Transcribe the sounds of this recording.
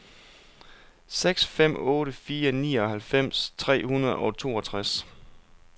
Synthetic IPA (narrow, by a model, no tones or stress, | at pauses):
seɡ̥sfem̰ɔːɾəfiːɐnḭːɒ̽ɦælfem̰st͡sʰʁɛ̰ːhunɐð̞̩ˠɒ̽t͡sʰo̝̰ːɒ̽t͡sʰʁas